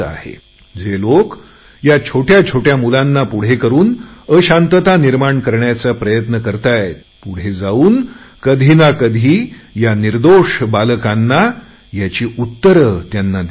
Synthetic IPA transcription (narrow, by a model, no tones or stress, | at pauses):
a̰ɦḛ | d͡zelok | jat͡ɕʰoʈjat͡ɕʰoʈjamulanːapuɽ̤ekəɾuːnəɕãnt̪ət̪aniɾmaɳkəɾɳjat͡sapɾəjət̪nəkəɾt̪aje | puɽ̤ed͡zauːnkəd̪ʱinakəd̪ʱiːjaniɾd̪oʂbaləkãnːa | jat͡ɕiːʔut̪ːəɾət̪janːad̪